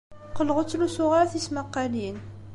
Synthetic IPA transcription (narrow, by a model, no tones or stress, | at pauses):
qəlːʁət͡sːlusʊʁɑɾθismɑqːɑlin